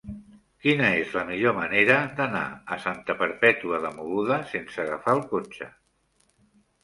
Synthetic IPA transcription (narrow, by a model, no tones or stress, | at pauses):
kinəezləmiʎoməneɾəd̪əna̰əsant̪əpəɾpɛt̪uəðəmuɣuðəsensəɣ̞əfalˠkot͡ʃə̰